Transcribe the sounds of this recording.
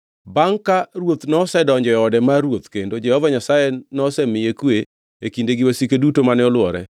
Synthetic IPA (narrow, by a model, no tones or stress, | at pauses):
baŋkaɾwot̪nɔsɛdɔɲd͡ʒɔjɔɔdɛmaɾwot̪kendod͡ʒɛhɔvaɲasajɛnɔsɛmɪjekwe | ekindeɡɪwasikedutomanɛɔlwɔɾɛ̰